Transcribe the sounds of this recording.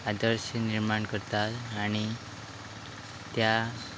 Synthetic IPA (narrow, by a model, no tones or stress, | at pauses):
ad̪əɾɕəniɾmaɳkəɾt̪at̪aɽ̃i | t̪ja